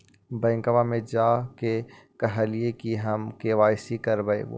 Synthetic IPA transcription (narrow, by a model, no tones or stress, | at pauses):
bɛ̃ːŋkəʋamẽd͡ʒaːke | kɐɦəliekiɦɐmkeːʋaːɪsikɐɾbɐḛːʋo̰ː